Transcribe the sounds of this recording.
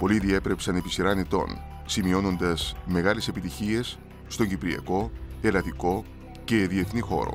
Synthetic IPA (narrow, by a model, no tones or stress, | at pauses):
po̞liðie̞pɾe̞psɐne̞pisiɾɐnet̪o̞̰n | simio̞no̞nd̪ɐsme̞ɣɐle̞se̞pit̪içie̞sː | t̪o̞ɲɟipɾiɐ̰ko̞e̞lɐt̪iko̞ | ce̞ðie̞θnixo̞̰ɾo̞̰